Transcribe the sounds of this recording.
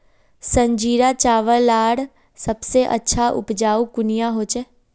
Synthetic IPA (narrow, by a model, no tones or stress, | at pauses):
sə̃ɲd͡ʒiːɾat͡ʃaːʋəlaːɽ | səbseʔə̰tːʃʰaʔʊ̰pd͡ʒaːukʊnɪjaɦoːt͡ʃɛː